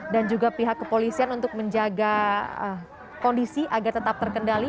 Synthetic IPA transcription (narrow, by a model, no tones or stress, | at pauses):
dand͡ʒuɡapiɦakːəpolisianunt̪ʊk̚məɲd͡ʒaɡaə | kɔndisiʔaɡart̪ət̪ap̚t̪ərkəndali